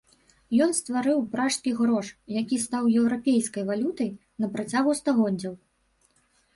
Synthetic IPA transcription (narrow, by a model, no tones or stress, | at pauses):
jɔnst̪vaɾɨwpɾaʂt̪kʲiɣɾɔʂjakʲist̪awjɛwɾapʲejskɐjvalʲut̪ɐj | nɐpɾat͡sʲaɣust̪aɣɔd͡zʲɐw